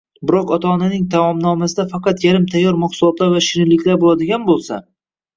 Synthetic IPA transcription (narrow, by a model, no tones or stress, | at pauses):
bɪɾɒqɒt̪ʰaːnanɪŋt̪ʰamɒmnɒmasɪd̪afɑqɑt̪jaɾɪmt̪ʰajːɒɾmɒχsʊlˠɒt̪laɾvaʃɪɾɪlːɪkʲlaɾbolˠad̪ɪɡʲanbolˠsa̰